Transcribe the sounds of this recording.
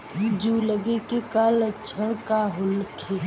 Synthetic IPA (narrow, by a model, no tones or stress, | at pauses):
d͡ʒuləɡekekalətːʃʰəɽkaɦʊlkʰe